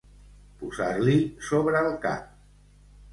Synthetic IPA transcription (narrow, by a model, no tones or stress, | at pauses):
puzaɾlisoβɾəːlˠka̰p̚